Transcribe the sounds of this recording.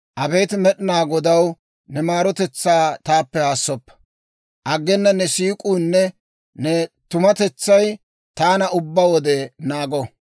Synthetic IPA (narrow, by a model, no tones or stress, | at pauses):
ʔɐbejt̪mɛɗɪnaːɡɔd̪ɐw | nɛmaːɾɔt̪ɛt͡sːaːt̪aːpːɛhaːsːɔpːɐ̥ | ʔɐɡːɛnːɐnɛsiːkʼuːnːɛ | nɛt̪ʊmɐt̪ɛt͡sːɐj | t̪aːnɐʊbːawɔd̪ɛnaːɡɔ